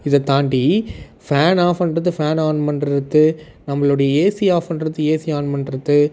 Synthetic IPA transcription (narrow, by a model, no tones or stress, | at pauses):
ɪðɐt̪aːɳɖi | faːnaːfɐɳɖɾɐðːɯfaːnaːnɯmɐnɪɾɯt̪ːɯ | nɐmːɐɭʊɽɐjɐeːsɪjaːfɐnɖɪɾɐt̪ːɯeːsɪjaːnɯmɐnɪɾɯt̪ːɯ